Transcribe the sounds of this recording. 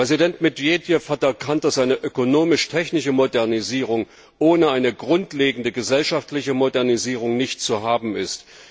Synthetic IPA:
ppʁ̥ɛzidɛntmɪdviedjɛfhatɛɐkʰant̚d̥asʔaɪnəʔøkonoːmɪʃtʰɛçnɪʃəmodɛɐniziːʁ̞ʊŋ | ʔoːnəaɪnəɡʁʊntleːɡŋ̩dəɡəzɛlʃaftlɪçəmodɛɐniziːʁ̞ʊŋnɪçt̚t͡suɦaːbm̩ɪst

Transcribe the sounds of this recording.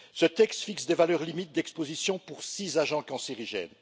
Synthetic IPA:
sət̪ɛkst̪fiksd̪evalœʁlimit̪̚d̪ɛkspozisjɔ̃puʁsizaʒɑ̃kɑ̃siʁiʒɛ̰n

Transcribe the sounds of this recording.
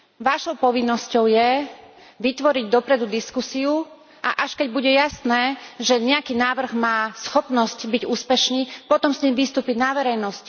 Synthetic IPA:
ʋaʃɔʊpɔʋinːɔscɔʊjɛ | ʋit̪ʋɔɾiɟd̪ɔpɾɛd̪ud̪iskusiu | ʔaʔaʃkɛɟ̚buɟɛjasnɛːʒɛɲɛakiːnaːʋr̩ɣmaːsxɔpnɔscbiɟuːspɛʃniːpɔt̪ɔmsɲiːmʋist̪uːpiɟnaʋɛɾɛjnɔsc

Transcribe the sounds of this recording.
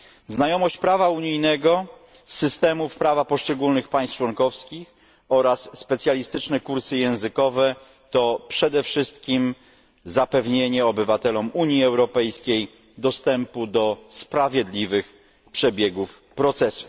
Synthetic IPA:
znajɔmɔɕt͡ɕpɾavauɲijnɛɡɔ | sɘst̪ɛmufpɾavapɔʂt͡ʂɛɡulnɘxpaj̃st̪t͡ʂwɔŋkɔfskʲix | ɔɾasːpɛt̪sʲjalʲist̪ɘt͡ʂnɛkuɾsɘjɛ̃w̃zɘkɔvɛ | t̪ɔpʂɛd̪ɛfʂɘst̪̚kʲim | zapɛvɲeɲɛɔbɘvat̪ɛlɔmuɲjiɛwɾɔpɛjskʲej | d̪ɔst̪ɛmpud̪ɔspɾavʲjed̪lʲivɘx | pʂɛbʲjeɡuf | pɾɔt̪sɛsu̥

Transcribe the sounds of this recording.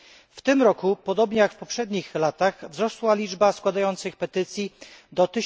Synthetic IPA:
ft̪ɘmɾɔkupɔd̪ɔbɲɛjakfpɔpʂɛd̪ɲixlat̪aɣvzɾɔswalʲid͡ʐbaskwad̪ajɔnt̪sɘxpɛt̪ɘt̪sʲjid̪ɔt̪ɘ

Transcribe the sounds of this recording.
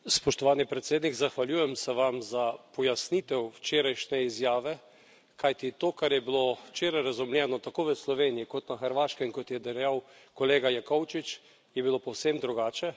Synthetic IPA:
spɔʃt̪ɔʋaːnipɾɛt̪seːd̪nikɡzaxʋaljuːjɛmsɛʋamzapɔjasnit̪ɛwt͡ʃeːɾajʃnɛizjaːʋɛ | kajt̪it̪oːkaɾjɛbilowt͡ʃeːɾajɾazumljɛːnɔt̪akoːʋəslɔʋeːnijikɔt̪naxɛɾʋaːʃkɛmkɔt̪jɛd̪ɛɾjaw | kɔleːɡajakɔwt͡ʃit͡ʃ | jɛbilopɔwsemd̪ɾuɡaːt͡ʃɛ

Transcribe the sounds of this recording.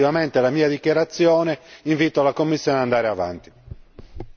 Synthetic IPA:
ivamɛnt̪ɛlamiːad̪ikjaɾat̪sːjɔːnɛiɱviːt̪ɔalakomːisːjɔːneand̪aːɾɛava̰nt̪i̥

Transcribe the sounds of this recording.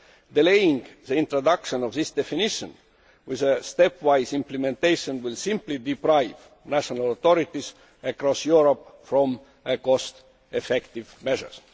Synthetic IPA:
d̪̥ilejĩŋɡðəĩnt̪ɹod̪ɑkʃõnovðɪsd̪̥efiniʃə̃n | wiðəst̪epwajzĩmplemẽnt̪ejʃõnwilsĩmplid̪ipɾaɪv̥ | næʃonalot̪oɾit̪is | əkɾɔsjuɹopfɹõm | əkost̪ | efekt̪ivmeʒə̰˞s

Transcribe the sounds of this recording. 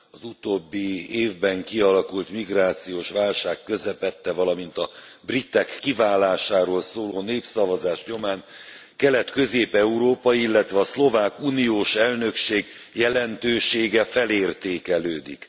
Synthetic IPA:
ɒzut̪obːieːvbɛŋkiɒlɒkult̪miɡraːt̪sijoːʃʋaːlʃaːkːø̞zɛpɛt̪ːɛvɒlɒmint̪ɒbrit̪ːɛkːivaːlaːʃaːɾoːlsoːloːneːpsɒvɒzaːʃɲo̞maːnkɛlɛt̪kø̞zeːpɛuɾoːpɒjilːɛt̪ʋɛɒslo̞vaːkunijoːʃɛlnø̞kʃeːɡ | jɛlɛnt̪øːʃeːɡɛfɛleːrt̪eːkɛløːd̪ik

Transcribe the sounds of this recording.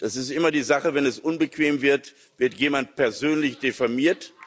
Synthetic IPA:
d̥asɪstʔɪmɐdiːzaχəvɛnɛsʔʊnbəkv̥eːmvɪɐt | vɪɐtjeːmantpɛɐzøːnlɪçd̥efaɐmiːɐt

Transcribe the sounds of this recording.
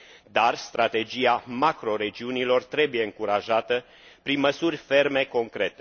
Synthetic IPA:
d̪arst̪ɾat̪e̞d͡ʒijamakɾo̞ɾe̞d͡ʒiunilo̞rt̪ɾe̞buje̞ɨŋkuɾaʒat̪ə | pɾinməsurʲfe̞rme̞ko̞ŋkɾe̞t̪e

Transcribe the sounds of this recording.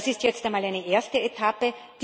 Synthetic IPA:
sɪstjɛt͡stamaːlæɪnəʔeɐstəetʰapəd̥

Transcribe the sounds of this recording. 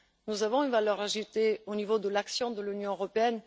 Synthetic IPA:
nuzavɔ̃ynvalœʁaʒut̪eonivod̪əlaksjɔ̃d̪əlynjɔ̃øʁɔpeɛn

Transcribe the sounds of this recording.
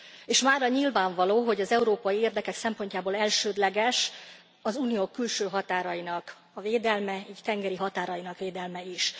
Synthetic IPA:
eːʃmaːrɒɲilvaːɱvɒloːɦo̞ɟɒzɛuɾoːpɒjieːrd̪ɛkɛksɛmpo̞ɲcaːboːlɛlʃøːd̪lɛɡɛʃ | ɒzuːnijoːkːylʃøːɦɒt̪aːɾɒinɒk | ɒveːd̪ɛlmɛiːct̪ɛŋɡɛɾiɦɒt̪aːɾɒinɒkʋeːd̪ɛlmɛiʃ

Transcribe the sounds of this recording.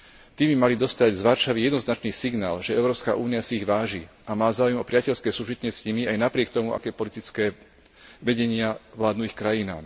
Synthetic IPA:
t̪iːmbimalid̪ɔst̪aɟzʋaɾʃaʋijɛd̪nɔznat͡ʃniːsiɡna̰ːlʒɛɛʊɾɔːpska̰ʔuːniasiːɣʋaːʒi | amaːzaːujɛmɔpɾɪacɛʎskɛːsuːʒit̪ɲɪɛsɲimiajnapɾɪɛk̚t̪ɔmua̰kɛːpɔlit̪it͡skɛː | ʋɛɟɛɲɪaʋlaːd̪nuixkɾajina̰ːm

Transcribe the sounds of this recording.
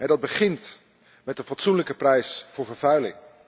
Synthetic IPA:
ɦɛdɑd̚bəχɪnt | mɛt̚dənfɑtsunləkəprɛjsfʊːɹvəɹvœɥlɪ̰ŋ

